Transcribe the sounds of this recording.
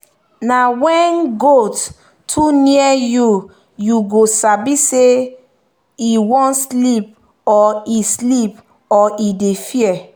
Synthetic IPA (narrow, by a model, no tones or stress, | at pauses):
nawɛ̃nɡotːʰ | uniɛju | juɡosabise | iwɔ̃ntslip̚ | ɔislip | ɔidefiɛ